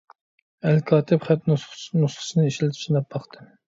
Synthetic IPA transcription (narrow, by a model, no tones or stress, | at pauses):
ælkʰɑːt̪ʰɪpχæt̪nnusχə̥ʃnɨiʃlɪt̪ʰt͡ʃʰinɑp̚bɑχt̪ʰɨm